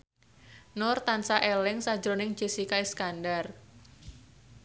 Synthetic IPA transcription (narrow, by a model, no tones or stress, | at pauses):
nɔrt̪ansaʔelɪŋsḁd͡ʒɾonɪŋd͡ʒisikaiskandar